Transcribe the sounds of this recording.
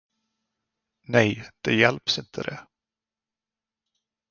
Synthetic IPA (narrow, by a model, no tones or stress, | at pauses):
nɛjd̪̥ɛjɛlpsɪnt̪ʰəd̪ɛ